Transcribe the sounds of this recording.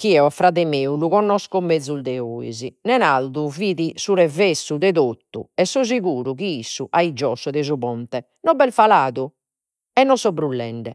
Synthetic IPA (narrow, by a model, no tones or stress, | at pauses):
kiɛafɾaðɛmeːuluɣɔnːɔskɔmːed̪zːuld̪ɛoːḭzinɛnald̪uviːðisuɾɛvesːuðɛðot̪ːṵɛsːɔziɣuːɾuɣiisːuʔaid͡ʒɔsɔðɛzuβɔnt̪ɛ | nɔbɛlfalaːðu | ɛnːɔsɔbɾulːɛɳɖɛ